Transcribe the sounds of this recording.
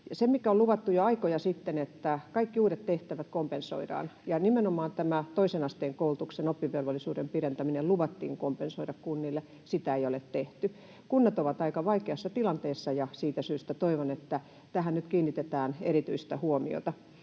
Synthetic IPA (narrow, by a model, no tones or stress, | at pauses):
jɑsemmikæoluʋɑt̪ːujoɑikojɑsit̪ːenet̪ːækɑikːiuːɾet̪t̪eht̪æʋæt̪kompenso̰idɑ̰ːnjɑnimenomɑːnt̪æmæt̪oisenɑst̪eːŋkoulut̪uksenopːiʋːelʋolːˑisuːdempirent̪æmineluʋɑt̪ːḭːŋkompensoidɑkkunːilːe | sit̪æejolet̪t̪eht̪y | kunːɑt̪oʋɑt̪ɑikɑʋɑikeɑsːɑt̪ilɑnt̪eːsːɑjɑsiːt̪æsyːst̪æt̪oiʋonet̪ːæ | t̪æhænnyt̪kiːnːit̪et̪æːneɾit̪yist̪æhuomḭo̰t̪ɑ